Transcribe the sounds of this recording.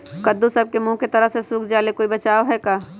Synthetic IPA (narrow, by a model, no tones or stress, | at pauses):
kɐd̪usɐb̚kemũːket̪ɐɾəsesuːkʰd͡ʒaːlekoːibɐt͡ʃaːoɦɛkaː